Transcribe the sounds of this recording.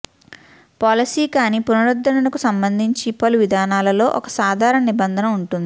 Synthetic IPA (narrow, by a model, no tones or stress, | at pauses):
paːlɐsiːkaːniːpunɐɾɐd̪ːɐnɐlɐkusɐmbɐnd̪ʱiɲt͡ʃipɐluʋid̪ʱaːnaːlɐlo̞ːʔɔkɐsaːd̪ʱaːɾɐɳɐnibɐnd̪ʱɐnɐuɳʈund̪ii